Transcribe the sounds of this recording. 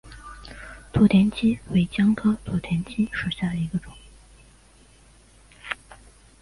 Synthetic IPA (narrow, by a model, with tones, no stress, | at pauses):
t̪ʰu˧˥t̪ʰjɛ˧˥nt͡ɕʰi˥we˥˩ɪt͡ɕjɑ˥ŋkʰɤ˥t̪ʰu˨˥˩t̪ʰjɛ˧˥nt͡ɕʰi˥ʂə˨˩ɕja˥˩d̪ə˩i˧˥ɡə˧ʈ͡ʂʊ˨˩˦